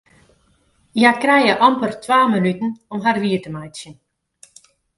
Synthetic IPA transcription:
jakrɛjəʔɑmpərtʋaːmənytən̩ɔmɦarʋiətəmajsjən

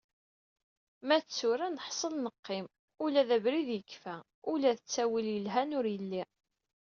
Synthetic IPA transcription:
mæt͡sːʊɾænəħsˤəlnəqːɪm | ulæðæbɾiðjəkːfæ | ulæðət͡sːæwiljəlɦænʊɾjəlːi

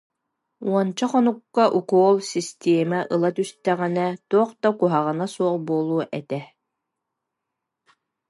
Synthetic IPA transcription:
uɔnt͡ɕaχɔnukːaʔukuɔlˠsist̪eɛmaʔɯlˠat̪yst̪ɛʁɛnɛt̪uɔqd̪akuɦaʁɯnasuɔlbuɔlˠuːʔɛt̪ɛ

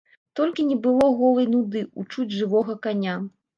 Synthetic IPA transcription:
t̪ɔlʲkʲinʲɛbɨlˠɔɣɔlˠɐjnud̪ɨut͡ʂud͡zʲʐɨvɔɣɐkanʲa

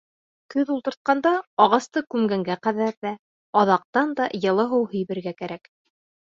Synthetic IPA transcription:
kɵðulˠt̪ɤ̆ɾt̪̚qɑnd̪ɑɑʁɑst̪ɤkʉmɡæŋɡæqæðæɾðæ | ɑðɑq̚t̪ɑnd̪ɑjɤ̆lˠɤɦɤwhɵ̆jβɘ̆ɾɡækæɾæk

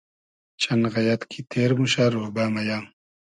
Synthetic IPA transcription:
t͡ɕʰɐnɣɐjɐt̪kʰit̪ʰeːɾmuɕaɾoːbaːmɐjaːm

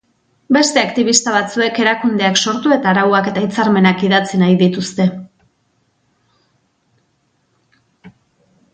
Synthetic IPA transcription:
be̞st̪e̞akt̪iβ̞ist̪aβat͡sue̞ke̞ɾakund̪e̞akso̞ɾt̪ue̞t̪aːɾawake̞t̪ajt͡saɾme̞nakiðat͡sinajðit̪ust̪e̞

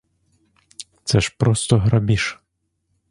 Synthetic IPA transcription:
t̪sɛʃpɾɔst̪ɔɦɾabʲiʃ

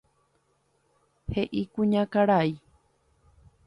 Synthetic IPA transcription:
heʔikũɲãkaɾai

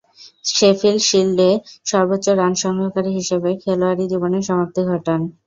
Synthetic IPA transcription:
ʃefilʃilːeʃɔɾbotːɕoɾanʃɔŋɡʱokaɾiɦiʃebekʰeloaɾid͡ʑiboneɾʃɔmap̚t̪ʰiɡʱɔʈan

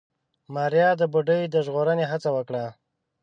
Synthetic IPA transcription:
mɑɾjɑd̪əbuɖəjd̪əʒɣoɾəneɦat͡sawəkɽa

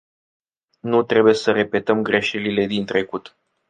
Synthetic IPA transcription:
nut̪ɾe̞bujesəɾe̞pe̞t̪əmɡɾe̞ʃelile̞d̪int̪ɾe̞kut̪

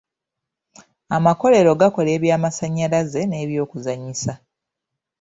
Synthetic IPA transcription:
amako̞le̞ɾo̞ɡako̞le̞ːβjaːmasaɲːalaze̞ne̞ːβjo̞ːkuzaɲisa

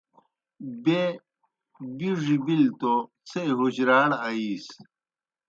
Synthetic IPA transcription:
be | biʐibilt̪o | t͡sʰeɦuɕɾaːɽaiːs

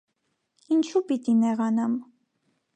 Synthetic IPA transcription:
int͡ʃʰupit̪inɛʁɑnɑm

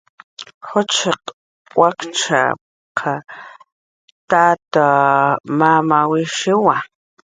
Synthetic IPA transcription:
χot͡ʃʰeq | wakt͡ʃʰa̰ | qʰa | t̪aːt̪amamawiʃiwa

